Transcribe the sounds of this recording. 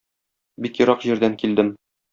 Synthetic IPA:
bikjŏɾɑqʑiɾd̪æŋkild̪ɘm

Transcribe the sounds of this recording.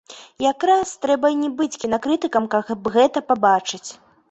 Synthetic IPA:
jakɾast̪ɾɛbɐnʲɛbɨt͡sʲkʲinɐkɾɨt̪ɨkɐmkabɣɛt̪ɐpabat͡ʂɨt͡sʲ

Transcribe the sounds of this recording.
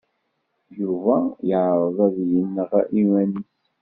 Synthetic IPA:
juvæjəʕɾˤəðˤæðjənːəʁʔiwæniθ

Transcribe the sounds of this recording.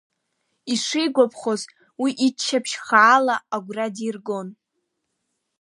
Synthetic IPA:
iʂɪjɡʷapʰχoz | wiʔit͡ʃʰːapʰʃχaːlaaɡʷradirɡo̞n

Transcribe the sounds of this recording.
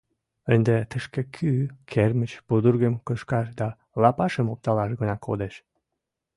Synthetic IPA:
ənd̪et̪əʃkekʰykʰermət͡ɕpud̪urɣəmkəʃkɑʃd̪ɑ | lɑpɑʃəmop̚t̪ɑlɑʃɡənɑkʰo̰d̪eʃ

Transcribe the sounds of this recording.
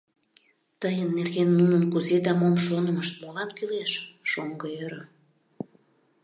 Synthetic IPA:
t̪əjənːerɣenːunənkuzed̪ɑmomʃonəməʃt̪̚molɑnkyleʃːoŋɡəøɾə

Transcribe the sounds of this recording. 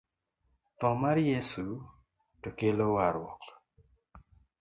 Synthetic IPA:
t̪ɔmaɾjesu | tokelowaɾwɔ̰k

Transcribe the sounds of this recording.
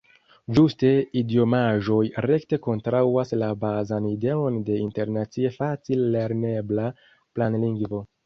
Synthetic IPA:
d͡ʒuste̞idio̞maʒo̞jɾe̞kte̞ko̞ntɾawaslabazanide̞o̞nde̞inte̞ɾnat͡sie̞fat͡silːe̞ɾne̞bla | planliŋɡvo̞

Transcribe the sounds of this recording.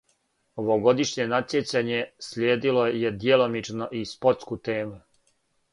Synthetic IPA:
oʋoɡo̞d̪iʃɲe̞nat̪sjet͡ɕaɲe̞slʲjeːd̪ilo̞je̞d̪jelo̞mit͡ʃno̞ʔispo̞ɾt̪skut̪e̞ːmu

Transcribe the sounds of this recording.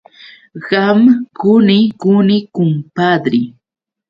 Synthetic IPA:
ɢamkʊnɪkʊnɪkʊmpad̪ɾɪ

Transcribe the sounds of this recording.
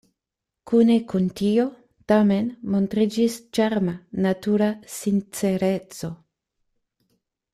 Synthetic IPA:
kune̞kuntio̞ | tame̞nmo̞ntɾid͡ʒist͡ʃaɾmanatuɾasint͡se̞ɾe̞t͡so̞

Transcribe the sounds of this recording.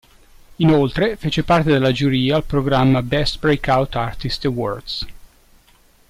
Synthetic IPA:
inolt̪ɾefet͡ʃepart̪ed̪elːad͡ʒuɾiːaːlpɾoɡɾamːabɛst̪bɾekawt̪art̪ist̪ewɔrd̪s

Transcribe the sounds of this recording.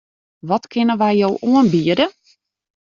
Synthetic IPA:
ʋɔtkʰɪnəʋɛjjowʔuənbiədə

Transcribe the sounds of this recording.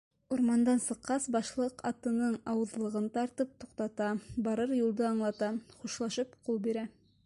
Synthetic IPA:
uɾmɑnd̪ɑnsɤ̆qːɑsbɑʃlˠɤqɑt̪ɤ̆nɤɴɑwɤ̆ðlˠɤ̆ʁɤnt̪ɑɾt̪ɤp̚t̪uqt̪ɑt̪ɑbɑɾɤɾjulˠd̪ɤɑɴlˠɑt̪ɑχuʃlˠɑʃɤpqulˠbiɾæ

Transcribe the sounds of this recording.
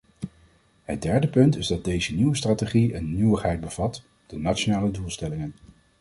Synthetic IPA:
ɦət̚dɛɹdəpɵntɪzdɑd̚dejzəniwəstraːteχiənːywəχɦɛjd̚bəv̥ɑt | d̥ənaʃonaːlədulˠstɛlɪŋən

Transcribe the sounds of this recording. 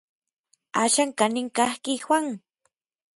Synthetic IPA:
aʃaŋkanɪŋkahkixwaŋ

